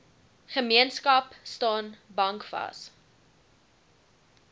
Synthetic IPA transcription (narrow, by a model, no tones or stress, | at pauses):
χəmiənskɐpstɑːnbɐŋkfɐ̰s